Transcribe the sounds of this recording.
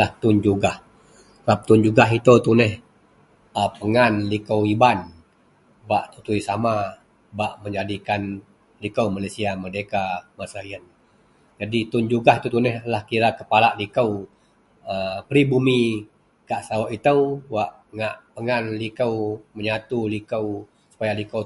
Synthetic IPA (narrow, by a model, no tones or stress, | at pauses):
laht̪und͡ʒuɡah | sap̚t̪und͡ʒuɡaɦit̪əwt̪unɛh | apəŋanlikəwiban | baʔt̪ut̪uijsama | baʔməɲd͡ʒadikan | likəwmalesiamədekamasaiən | d͡ʒadit̪ʊnd͡ʒuɡaɦit̪ut̪unɛhlahkiɾakəpalaʔlikəw | əpɾibumi | kaʔsawaʔit̪əwwaʔ | ŋaʔpəŋanlikəwməɲat̪ulikəw | su̥pajalikə